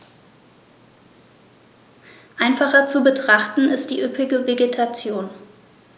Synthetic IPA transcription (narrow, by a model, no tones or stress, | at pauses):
ʔaɪnfaχɐt͡subətʁ̥aχtn̩ʔɪstd̥iːʔʏpɪɡəveɡetʰat͡sjoːn